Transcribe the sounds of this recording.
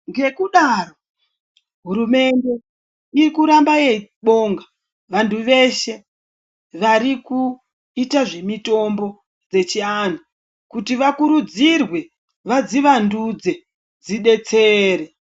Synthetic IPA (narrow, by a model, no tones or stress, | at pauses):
ŋɡe̞kuɗaro | ɦuɾume̞nde̞ | irikuɾambajeɓo̞ːŋɡa | ʋantʰuʋe̞ʃe̞ | ʋaɾiku | itaʐe̞mito̞mbo̞ | d͡ze̞t͡ʃian̤u | kutiʋakuɾud͡zirwe̞ | ʋad͡ziʋandud͡ze̞ | d͡ziɗe̞t͡seɾe